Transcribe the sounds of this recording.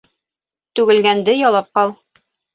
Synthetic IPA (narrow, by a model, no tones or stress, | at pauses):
t̪ʉɡɘ̆lɡænd̪ɘjɒlˠɑp̚qɑlˠ